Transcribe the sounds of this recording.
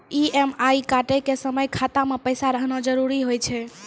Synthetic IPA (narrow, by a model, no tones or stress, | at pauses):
iemajkaʈekesəməjkʰat̪amepəjsaɾəɦnad͡ʒəɾuɾiɦojt͡ʃʰɛ